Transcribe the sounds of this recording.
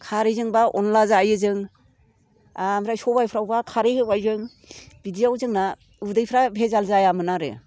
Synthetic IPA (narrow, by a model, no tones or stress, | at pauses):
kʰaɾɯzɯŋbaʔɔnlazaːjɯzɯŋ | amɾajsɔbajpʰɾawbakʰaɾehɯbajzɯŋ | bidijawzɯŋna | ɯbdɯjpʰɾabʱezalzajamɯnaɾɯ̰